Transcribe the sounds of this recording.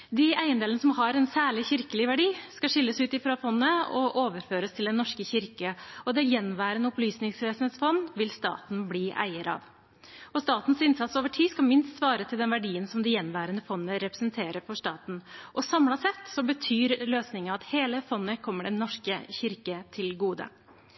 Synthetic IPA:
d̪ɪæɪənd̪eːlənəsɔmɦɑɾɛnsæːɭɪçɪɾkəlɪʋæɖiːskɑʂɪlːəsʉːt̪ɪfɾɑfɔnːəɔʔoːʋəɾføːɾəst̪ʰɪld̪ɛnːɔʂkəçɪɾkəɔd̪ɛjɛnːʋæːɾənəɔplyːsnɪŋsʋeːsn̩eːt̪sfɔnʋɪlst̪ɑ̰ːt̪n̩bliːʔæ̰ɪəɾɑ̰ʋ | ɔst̪ɑːt̪n̩sɪnsɑt̪soːʋəʈʰiːskɑmɪnst̪sʋɑːɾət̪ʰɪld̪ɛnʋæɖiːənsɔmd̪ɪjɛnʋæːɾənəfɔnːəɾɛpɾəsənt̪ʰeːɾəɾfɔʂt̪ɑːt̪n̩ʔɔsɑmlɑsɛt̪ːsɔbət̪ʰyːɾløːsnɪŋəɑɑt̪heːləfɔnːəkʰɔmːəɖɛnːɔʂkəçɪɾkət̪ʰɪlɡuːd̪ə̰

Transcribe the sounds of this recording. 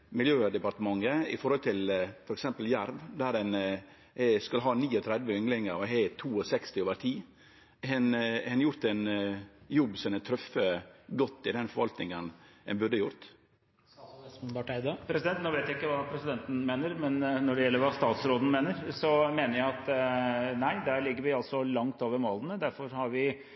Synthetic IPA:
mɪljøːd̪ɛpɑɾt̪əmɑŋːəɪ̰fɔɾhɔlt̪ʰɪlfɔɾɛksɛmpəljæɾʋd̪æɾɛn | hɛskʉlːəɦɑːniːɔt̪ʰɾɛd̪ʋəʏŋlɪŋəɾɔɦɛt̪ʰuːɔsɛkst̪ɪoːʋəɾt̪ʰiː | hɛnhɛnjʊɾt̪ɛnjɔbːsɛnɛt̪ʰɾœfːəɡɔt̪ːɪd̪ɛnfɔɾʋɑlt̪nɪŋənɛnbʉd̪əjʊɾt̪ | pʈɪd̪pʰɾɛsɪd̪ɛnt̪noːʋeɪt̪jæɪkːəʋɑːpʰɾɛsɪd̪ɛnt̪n̩meːnəɾmɛnːɔɖɛjɛlːəɾʋɑːst̪ɑːt̪sɾoːd̪n̩meːnəɾsɔmeːnəɾjæɪɑt̪ | næɪd̪æːɾɭɪɡːəɾʋɪɑlt̪sɔlɑŋt̪oːʋəɾmoːlənəd̪æɾfɔɾhɑɾʋɪ

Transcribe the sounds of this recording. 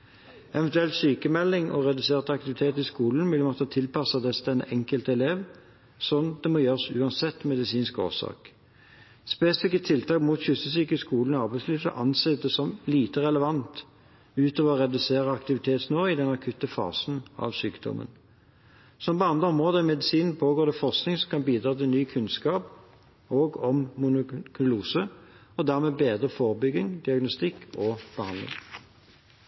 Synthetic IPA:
ʔɛʋɛnt̪ʉɛlt̪syːkəmɛlːɪŋɔ̰ʁɛd̪ʉseːʁt̪ɑkt̪ɪʋɪt̪ʰeːt̪ɪskuːln̩ʋɪlːmɔt̪ːət̪ʰɪlpɑsɑd̪ɛst̪ɛnəʔɛŋkəlt̪ɛleːʋ | sɔnd̪ɛmɔjøːʁsʉːɑnsɛt̪ːmɛd̪ɪsiːnsko̰ːsɑ̰ːk | speːsɪfɪkːət̪ʰɪlt̪ʰɑːkmuːt̪çʏsəsyːkəskuːln̩ɔɑʁbæɪsliːʋsə̰ʔɑnseːd̪ɛsɔmliːt̪əʁɛləʋɑnt̪ | ʉːt̪oːʋəɔʁɛd̪ʉseːʁəɑkt̪ɪʋɪt̪ʰeːt̪snoːɪd̪ɛnɑkʰʉt̪əfɑ̰ːsnɑ̰ʋsyːkd̪ɔ̰mʔə̰n | sɔmpɔɑnd̪ʁəɔmʁoːd̪əmɛd̪ɪsiːnn̩pʰoːɡoːʁd̪ɛfɔʁsknɪŋsɔmkʰɑnbiːd̪ɾɑːt̪ɪlnyːkʰʉnskɑːp | oːɡɔmːʊnʊkʰʉluːsəɔd̪æʁmeːbeːd̪ʁəfɔːʁəbʏɡːɪŋd̪ɪɑɡnʊst̪ɪkʰːɔb̥əhɑnd̪lɪ̰ŋ

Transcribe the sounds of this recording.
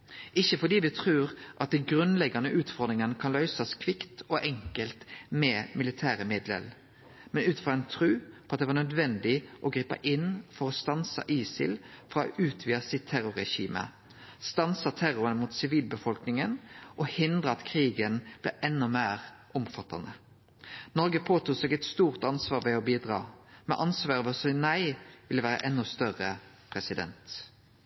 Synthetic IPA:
ɪçəfɔd̪iːʋɪt̪ʰʁʉːʁʔɑt̪̚d̪ɛɡʁʉnlɛɡɑnəʔʉːt̪fɔɾd̪ʁɪŋənəkʰɑnlœʏsɑskʰʋɪkt̪ɔʔɛŋkəlt̪mɛːmɪlɪt̪ʰæːɾəmɪd̪lə̰l | mɛnʉːt̪fʁɔɛnt̪ʰɾʉːpʰɔːɑt̪̚eːʋɑːʁnœd̪ʋɛnd̪ɪʔɔɡɾiːpɑ̰ʔɪnfɔɾɔst̪ɑnsɑ̰ʔiːsɪ̰lfɾʁɑːɔ̰ʔʉːt̪ʰʋiːəsɪt̪t̪ʰæɾʊɾɛɕḭːmə̰ | st̪ɑnsɑt̪ʰæɾʊɾənəmuːt̪sɪʋiːlbəfɔlknɪŋənʔɔhɪnd̪ʁəɑt̪kʰʁiːɡənb̥lɛ̰ːʔɛnːɔmeːʁʔɔmfɑt̪ːɑ̰nə | nɔɾɡəpʰoːt̪uːsɛɡɛt̪st̪uːʁt̪ɑnsʋɑːʁʋɛɔbiːd̪ʁɑ̰ːmɛʔɑnsʋɑːɾʋɔsnæɪʋɪləʋæːɾə̰ʔɛnːɔst̪œʁə | pʰɾɛsɪd̪ɛ̰nt̪

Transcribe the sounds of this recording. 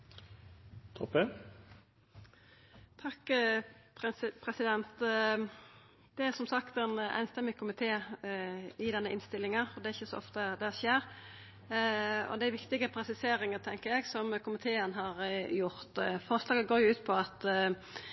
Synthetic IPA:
t̪ʰɔpe | t̪ʰɑkpʰɛpʰɾɛsɪd̪ɛnt̪ | d̪ɛæɾsɔmsɑkt̪ɛnæ̰ɪnst̪ɛmːɪkʰʊmɪt̪ʰeː | ɪd̪ɛnːəʔɪnst̪ɪlːɪŋəɔd̪ɛɾɪçːəsɔ̰ɔ̰ft̪əd̪ɛʃeːɾ | ɔ̰d̪æɪʋɪkt̪ɪɡəpʰɾɛsɪseːɾɪŋət̪ʰɛŋkəɾjɛɡsɔmkʰʊmɪt̪ʰeːənɦɑɾjʊɾt̪fɔɾslɑːɡəɡoːɾjʊʉːt̪pʰɔɑt̪

